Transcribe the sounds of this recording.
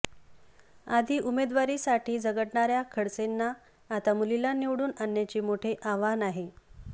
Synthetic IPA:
ad̪ʱiːʔumed̪ʋaɾiːsaʈiːd͡zəɡəʈɳaɾjakʰəɽt͡senːaː | t̪amulilaniʋɽuːnənːjat͡ɕiːmoʈʰeʔaʋanaɦe

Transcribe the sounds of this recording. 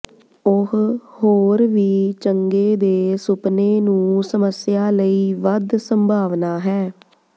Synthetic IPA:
ʊɦhoːɾʋiːt͡ʃəŋɡeːd̪eːsʊpneːnũːsəməsɪjaːləiːʋəd̪səmbʱaːʋnaːɦɛː

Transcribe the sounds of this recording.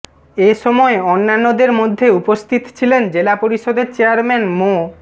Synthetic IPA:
eʃɔmɔeonːanːod̪eɾmod̪ʱːeupost̪ʰit̪t͡ɕʰilend͡ʑelapoɾiʃod̪et͡ɕeaɾmɛnmo

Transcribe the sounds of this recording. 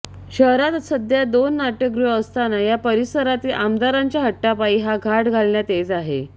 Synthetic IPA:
ɕəɦɾat̪səd̪jad̪onːaʈəɡɾuəst̪anajapəɾisəɾat̪iːlʔamd̪aɾaɲt͡ɕjaɦəʈːapaiːɦaɡʱaʈɡʱalɳjat̪et͡saɦe

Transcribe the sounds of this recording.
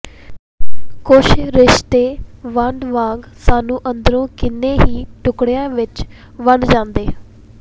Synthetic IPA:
kʊʃɾɪʃt̪eːʋəɳɖʋãːŋɡsaːnũːʔənd̪əɾõːkɪnːeːɦiːʈʊkɽjãːʋɪt͡ʃ | ʋəɳd͡ʒãːnd̪eː

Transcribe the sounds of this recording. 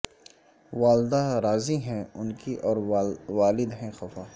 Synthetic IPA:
ʋaːld̪aɾaːziɦɛ̃ʊnkiʔɔːɾʋaːlɪd̪ɦɛ̃xɐfaː

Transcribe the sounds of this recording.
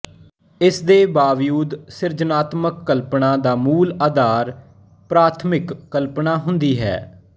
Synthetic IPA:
ɪsd̪eːbaːʋjuːd̪sɪɾd͡ʒənaːt̪məkːəlpnaːd̪aːmuːlaːd̪aːɾ | pɾaːt̪ʰmɪkːəlpnaːɦʊnd̪iːɦɛ̰ː

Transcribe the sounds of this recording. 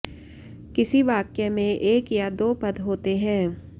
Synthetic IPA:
kɪsiʋaːkjəmẽʔeːkjad̪oːpɐd̪ɦoːt̪eɦɛ̃ː

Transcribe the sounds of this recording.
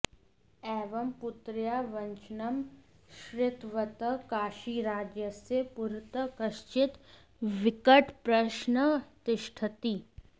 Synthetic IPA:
ɛːʋɐmpʊt̪ɾjaːʋɐ̃nt͡ʃnɐmʃɾɪt̪ʋət̪əkaːʃiːɾaːd͡ʒjəsjepʊɾt̪əkɐʃt͡ʃɪt̪ | ʋɪkəʈʰpɾɐʃnət̪ɪʃʈʰət̪iː

